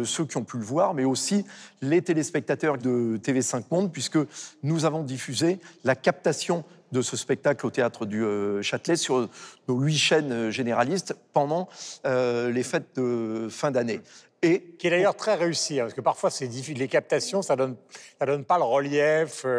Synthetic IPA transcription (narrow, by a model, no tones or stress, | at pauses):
søkʲiɔ̃pyləvwaʁmɛosilet̪elespɛk̚t̪at̪œʁd̪ət̪evesɛ̃k̚mɔ̃d̪̚pɥiskənuzavɔ̃d̪ifyzelakap̚t̪asjɔ̃d̪əsəspɛk̚t̪aklot̪eat̪χəd̪yøʃat̪lɛsyʁnoɥiʃɛnʒeneʁalist̪pɑ̃d̪ɑ̃ølefɛt̪̚d̪əfɛ̃d̪ane | ekʲiɛd̪ajœʁt̪χɛʁeysiɛ̃pasəkəpaʁfwasɛd̪ifilekap̚t̪asjɔ̃sad̪ɔnsad̪ɔnpaləʁəljɛf